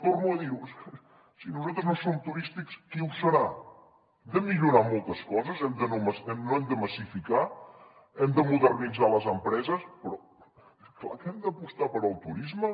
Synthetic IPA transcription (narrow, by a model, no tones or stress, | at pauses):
formuəðiws | sinuzat̪ɾəznosomt̪uɾist̪ikskiwsəɾa | d̪əmiʎuɾamɔlˠt̪əskɔzəzɛmd̪ənoməsɛmnoɛmd̪əməsifika | ɛmd̪əmuðərnidd͡zaləzəmpɾɛzəspɾɔ | kla̰kɛmd̪əpust̪apəɾəlˠt̪uɾizmə